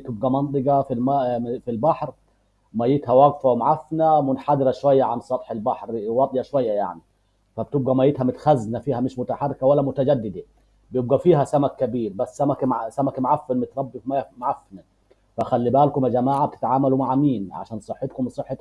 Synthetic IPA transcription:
t̪ɪb̚ɡæmɑnt̪ˤɨɡɑfilmfilbɑħɾ | mæjːet̪hæwɑɡfæwmʕafnæmʊnħad̪ɾæʃwæjːaʕansˤɑt̪ˤħelbɑħɾwɑd̪ˤjæʃwæjːæja̰ʕni | fæb̚t̪ɪb̚ɡæmæjːet̪hæmʊt̪xæznæfiːhæmɪʃmʊt̪aħarˤːekæwælːæmʊt̪æd͡ʒæd̪ːɪd̪a | bɪjeb̚ɡæfiːhæsæmækːæbiːɾbæsːæmækmʕsæmækmʕafːenmɪt̪ɾˤɑbːifmæjmʕafːnæ | fæʔxælːibæːlkʊmæd͡ʒæmaːʕab̚t̪ɪ̥t̪ʕaːmælumaʕmiːnʕa̰ʃæːnsˤɨħːet̪̚kʊmsˤɨħːet̪

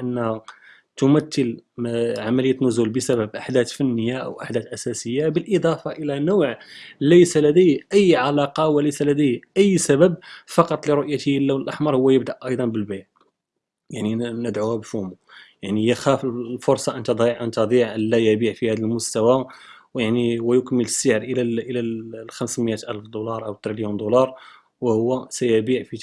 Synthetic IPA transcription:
ʔənːh | t̪ʊmæt̪ːəlʕamæləjːæt̪nʊzulbəsæbæbʔaħd̪æt̪fənːəjːaʔə̰wʔaħd̪æt̪ʔæsæsəjːabəlʔəd̪ˤɑfɑʔəlænowʕləjsælæd̪əjʔəjːʕalɑqɑwæləjsælæd̪əjʔəjːsæbəb̚fɑqɑt̪ˤliɾoʔjat̪iəlːæwəlʔaħmɑɾˤhʊwːæjəbd̪æʔʔɑjd̪ˤɑnbəlbaʕ | jaʕninəd̪ʕuhæbfumujaʕnijəxæfəlfʊɾˤsˤɑʔənt̪æd̪ˤɑʕʔənt̪ɑd̪ˤiʕʔəlːæjəbiʕfihæd̪əlmʊst̪æwawjaʕniwæjʊkmələsːəʕəɾʔəlæʔəlæxæmsməjæt̪ʔælfd̪ulɑɾˤʔəwt̪ɾiljund̪ulɑɾˤ | wəhʊwːæsæjəbiʕfi

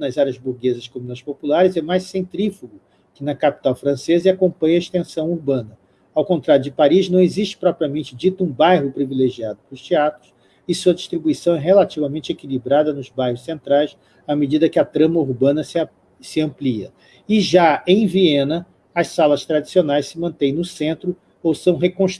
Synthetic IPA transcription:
nɐzaɾjɐzbuɾɡezɐskõmunɐspopulaɾɪzɛmajssẽnt̪ɾifuɡʊ | kɪnɐkapi̥t̪awfɾɐ̃sezɐakõpɐ̃ɲɐeʃt̪ẽsɐ̃w̃uɾbɐ̃nɐ | awkõnt̪ɾaɾjʊd͡ʒɪpaɾiznɐ̃w̃eziʃt͡ʃɪ̥pɾɔpɾiɐmẽnt͡ʃɪd͡ʒit̪ʊũbajɦʊpɾivileʒiad̪ʊplʊst͡ʃiat̪ɾʊs | ɪsuɐd͡ʒist̪ɾibuisɐ̃w̃ɛɦelat͡ʃivɐmẽt͡ʃɪekilibɾad̪ɐnʊzbajhʊssẽnt̪ɾajs | amed͡ʒid̪ɐkɪɐt̪ɾɐ̃mɐuɾbɐ̃nɐsɪ | sɪɐ̃pliɐ̰ | ɪʒaẽj̃viẽnɐ | ɐssalɐst̪ɾad͡ʒisionajssɪmɐ̃nt̪ẽj̃nʊsẽnt̪ɾʊ | owsɐ̃w̃ɦekõʃ

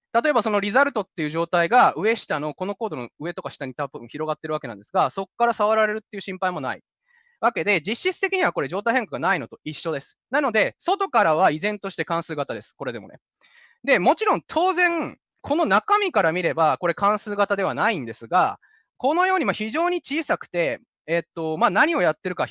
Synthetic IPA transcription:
t̪at̪o̞e̞baso̞no̞ɾʲizaɾɯ̟t̪o̞t̪ːe̞jɯ̟ʑo̞ːt̪aiɡaɯ̟e̞ɕi̥t̪ano̞ko̞no̞ko̞ːd̪o̞noɯ̟e̞t̪o̞kaɕi̥t̪aɲ̟it̪abɯ̟̃ɰ̃çiɾo̞ɡat̪ːe̞ɾɯ̟ake̞nã̰nd̪esɨɡaso̞kkːaɾasaβaɾaɾe̞ɾɯ̟t̪ːe̞iɯ̟ɕĩmpaimo̞na̰ḭ | βake̞d̪e̞d͡ʑiɕːit͡sɨ̥t̪e̞kʲiɲ̟iβako̞ɾe̞ʑo̞ːt̪aiheŋkaɡanaino̞t̪o̞iɕːo̞d̪e̞sɨ̥nano̞d̪e̞so̞t̪o̞kaɾaβ̞aizẽ̞nt̪o̞ɕi̥t̪e̞kãɰ̃sɨːɡat̪ad̪e̞sɨ̥ko̞ɾe̞d̪e̞monḛ | d̪e̞mo̞t͡ɕiɾõ̞nt̪ʰo̞ːzẽ̞ŋ | kʰo̞no̞nakamʲikaɾamʲiɾe̞bako̞ɾe̞kãɰ̃sɨːɡat̪ad̪e̞βanaĩnd̪e̞sɨɡa | ko̞no̞jo̞ːɲ̟imaçiʑo̞ːɲ̟it͡ɕiːsakɯ̟̥t̪e̞ː | t̪ːo̞maːnaɲ̟io̞jat̪ːe̞ɾɯ̟ka

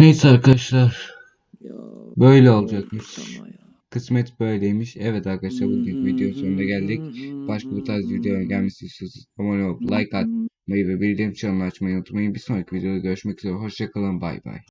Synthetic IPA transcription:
nejsaɾkʰad̪aʃlˠaɾ̥ | bø̞jlʲɛo̞lˠud͡ʒakmɯʃ | kʰɯsmɛt̪bøjlʲd̪ʲejmiʃɛvɛt̪aɾkad̪aʃ̬lˠaɾbut̪nikvid̪ejo̞soɾund̪aɟælʲd̪icb̥aʃkabut̪ʰazvid̪ejoøɲɟælʲmisysizomonʲplˠajkat̪̚majɯvɛbiɾd̪ɛmt͡ʃʰamaːt͡ʃmajɯnot̪ʰmajɯnbiso̞nɾacʰivid̪eo̞d̪aɟø̞ɾyʃmɛcy̥zeɾɛɦo̞ʃjakʰalˠɯnba̰jba̰j

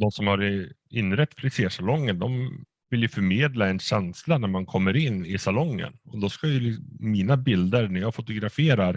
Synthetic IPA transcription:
d̪ɔmsɔmhaɾɪnːɾɛt̪ːpʰlɪseːʂalɔŋːənd̪ɔm | vɪljɵfœɾmeːd̪laɛnɕɛnslanæɾmankʰɔmːəɾɪnːɪsalɔŋːə̰nɔd̪ɔskajɵlɪːiːnabɪld̪əɾnæɾjɑːfʊt̪ʊɡɾafeːɾaɾ

